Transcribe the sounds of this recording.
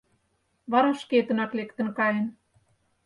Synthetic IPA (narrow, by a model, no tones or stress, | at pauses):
βɑɾɑʃket̪ə̆nɑklekt̪ə̆nkɑjən